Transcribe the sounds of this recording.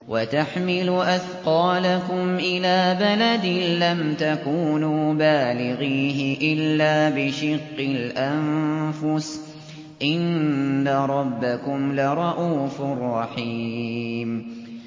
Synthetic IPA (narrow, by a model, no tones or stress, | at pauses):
wʔat̪aħmɪlʊʔaθqɑːlakʊmʔɪlaːbalad̪ɪlamt̪akuːnuːbaːlɪɣiːɦɪʔɪlːaːbɪʃɪqːɪlʔamfʊs | ʔɪnːaɾˤɑbːakʊmlaɾˤɑʔuːfɪrˤːɑħiːm